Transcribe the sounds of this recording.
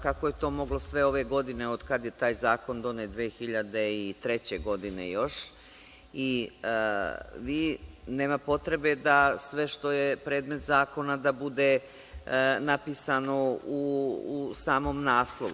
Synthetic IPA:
kakojet̪o̞ːmo̞ɡlo̞sʋe̞o̞ʋe̞ɡo̞d̪ine̞o̞d̪kad̪je̞t̪aːjzaːko̞nd̪o̞net̪d̪ʋeːxiʎad̪e̞it̪ɾe̞t͡ɕe̞ɡo̞d̪inḛjo̞ʃ | i | ʋiːneːmapo̞t̪ɾe̞be̞d̪asʋe̞ʃt̪o̞jepɾe̞ːd̪me̞t̪zaːko̞nad̪abud̪e̞ | napiːsano̞u | saːmo̞mnaːslˠoʋṵ

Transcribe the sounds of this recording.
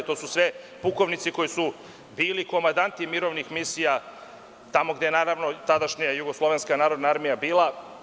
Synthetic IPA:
t̪o̞ːsusʋe | puko̞ʋnit̪siko̞jisu | biːliko̞mand̪ant̪imiɾo̞ʋnixmisija | t̪amoɡd̪eenaːɾaʋno̞t̪ad̪aʃɲajajuɡoslˠo̞ʋenskanaːɾo̞d̪naaɾmijabiːla

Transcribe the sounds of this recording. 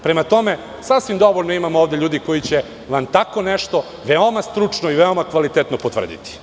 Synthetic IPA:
pɾemat̪o̞me | sasʋimd̪o̞ʋoʎnoimamooːʋd̪eʎuːd̪iko̞jit͡ɕe | ʋant̪ako̞neʃt̪o̞ | ʋeo̞mast̪ɾut͡ʂnoiʋeomakʋalit̪et̪nopot̪ʋr̩d̪ḭt̪i̥

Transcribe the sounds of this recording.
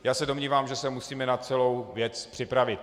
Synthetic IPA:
jaːsɛdo̞mɲiːvaːmʒɛsɛmusiːmɛnat͡sɛlo̞wvjɛt͡spr̥ɪpɾavɪt̪̚

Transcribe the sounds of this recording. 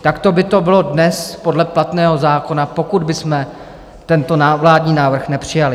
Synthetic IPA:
t̪akt̪o̞bɪt̪o̞bɪlo̞dnɛspo̞dlɛplat̪nɛːɦo̞zaːko̞napo̞kud̪bɪsmɛ | t̪ɛnt̪o̞naːvlaːdɲiːnaːvr̩xnɛpr̝̥ɪjalɪ

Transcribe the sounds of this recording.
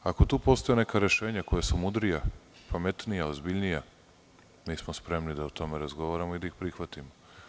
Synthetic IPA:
ako̞t̪uːpo̞st̪o̞jene̞kaɾe̞ʃeːɲakojesumud̪ɾijapamet̪nijaozbiʎnija | miːsmospɾe̞mnid̪aut̪o̞meɾazɡo̞ʋaɾamoid̪aixpɾixʋat̪imo

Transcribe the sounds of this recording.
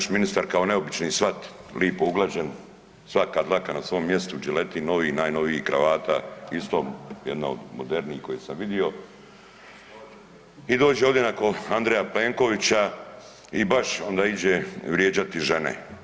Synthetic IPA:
ʃminist̪aɾkaone̞o̞bit͡ʃnisʋat̪lʔiːpouɡlˠaʒen | sʋakad̪lˠakanasʋo̞ːmːje̞st̪ud͡ʒile̞t̪ino̞ʋinaːjno̞ʋiikɾa̰ʋaːt̪a̰ist̪ojed̪na̰od̪mod̪eɾniiko̞jesamʋid̪io̞ | id̪o̞ːd͡ʑeoʋd̪jenako̞and̪ɾejapleːŋko̞ʋit͡ɕa | ibaʃond̪aːid͡ʑeʋɾjeːd͡ʑat̪iʒe̞nḛ

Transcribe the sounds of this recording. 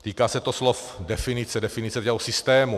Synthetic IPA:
t̪iːkaːsɛt̪oslof | dɛfɪnɪt͡sɛdɛfɪnɪt͡sɛt̪ɛɦosɪst̪ɛːmu

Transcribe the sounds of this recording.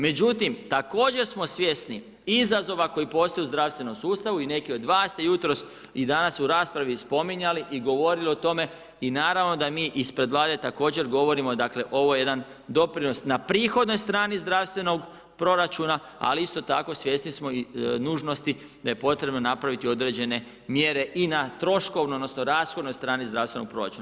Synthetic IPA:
me̞d͡ʑut̪imt̪ako̞ːd͡ʑe̞ɾsmo̞sʋje̞sni | izazo̞ʋako̞jipo̞st̪oeuzd̪ɾaʋst̪ʋe̞no̞msuːst̪aʋuine̞kio̞d̪ʋaːsːt̪e̞jut̪ɾo̞s | id̪anasuɾaːspɾaʋispo̞miɲaliʔiɡo̞ʋo̞ɾilio̞t̪o̞me̞ | inaːɾaʋno̞d̪amiːʔispɾe̞d̪ʋlˠaːd̪e̞t̪ako̞ːd͡ʑe̞ɾɡo̞ʋo̞ɾimo̞d̪akle̞ʔo̞ʋo̞jeje̞d̪an | d̪o̞pɾino̞snapɾiːxo̞d̪no̞jst̪ɾaːnizd̪ɾaʋst̪ʋe̞no̞ɡ | pɾo̞ɾat͡ʃuna | a̰liist̪o̞t̪a̰ko̞sʋje̞st̪nismo̞inuːʒno̞st̪i | d̪aje̞po̞t̪ɾe̞bno̞napɾaʋit̪io̞d̪ɾe̞ːd͡ʑe̞ne̞ | mjeɾe̞ʔinat̪ɾo̞ʃko̞ʋnuod̪nosno̞ɾaːsxo̞d̪no̞jst̪ɾaːnizd̪ɾaʋst̪enoɡ̚pɾo̞ɾa̰t͡ʃuːna

